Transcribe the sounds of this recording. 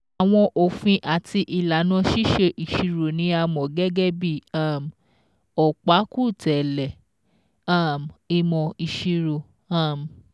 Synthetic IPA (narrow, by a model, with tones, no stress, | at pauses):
a˨w̃ɔ̃˧ʔo˨fĩ˧ʔa˨tʰi˧ʔi˨la˨nã˧˦ʃi˦ʃe˧ʔi˨ʃi˧ɾo˨nĩ˨˦a˧mɔ̃˨ɡɛ˦ɡɛ˦bi˦˨a˦˨m | ɔ˨k͡pa˨˦ku˦˨tɛ˨lɛ˨ | a˦˨mi˧mɔ̃˧i˨ʃi˧ɾo˨ | a˦˨m˨